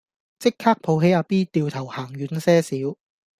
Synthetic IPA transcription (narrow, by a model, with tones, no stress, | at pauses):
t͡sɪ˥kʰːaː˥k̚pʰo˨˧wɦe˨˥jaː˧piː˥t̪iː˨˧wt̪ʰɐ˨˩whaː˨˩ŋjyː˨˥nsɛː˥siː˨˥w